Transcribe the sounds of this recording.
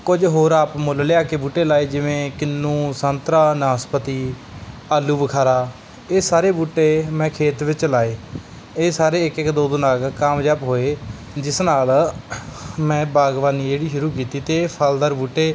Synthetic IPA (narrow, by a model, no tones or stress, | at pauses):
kʊd͡ʒɦoːɾaːpmolljaːkeːbuːʈːeːlaːeːd͡ʒɪʋẽːkɪnːũːsənt̪ɾaːnaːspət̪iː | aːlːuːbəkʰaːɾaː | eːsaːɾeːbuːʈːeːmɛ̃ːkʰeːt̪ʋɪt͡ʃlaːeː | eːsaːɾeːɪkɪkd̪oːd̪onaːkkaːmd͡ʒaːpɦoːeː | d͡ʒɪsnaːl | mɛ̃ːbaːɡʋaːniːd͡ʒeːɽiːʃʊɾuːkiːt̪iːt̪eːpʰald̪əɾbuːʈːeː